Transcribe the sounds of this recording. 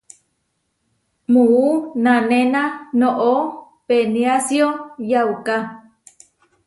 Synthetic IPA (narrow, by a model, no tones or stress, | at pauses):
muunãnenanoʔo | peniasjojawka